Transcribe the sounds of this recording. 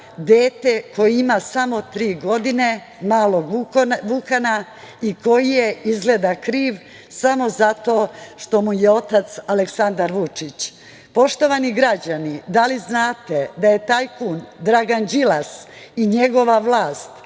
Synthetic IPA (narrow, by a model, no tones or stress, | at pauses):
d̪eːt̪eko̞jiimasamo̞t̪ɾiːɡo̞d̪ine | maːlˠo̞ɡʋukana | iko̞jije̞izɡled̪akɾiːʋ | samo̞zat̪o̞ːʃt̪o̞mujeo̞t̪at̪saleksand̪aɾʋut͡ʂit͡ɕ | po̞ʃt̪o̞ʋaniɡɾad͡ʑanid̪aliznaːt̪ed̪aje̞t̪aːjkuːnd̪ɾaɡand͡ʑilasiɲeɡo̞ʋaʋlˠaːst̪